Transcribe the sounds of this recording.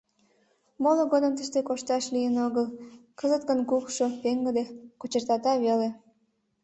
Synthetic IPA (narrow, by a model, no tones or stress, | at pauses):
moloɣod̪əmt̪əʃt̪ekoʃt̪ɑʃlijənoɣəlkəzət̪kənkukʃopeŋɡəd̪ekot͡ɕərt̪ɑt̪ɑβele